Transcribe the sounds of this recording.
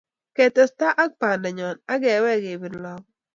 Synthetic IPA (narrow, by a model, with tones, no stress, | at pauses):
kɛ˨tɔ˨sta˦ʔa˦k̚pa˨nda˨ɲɔ˨na˦ɡɛ˨˦wɛ˦˨ɡe˨bi˨nlɔ˦k̚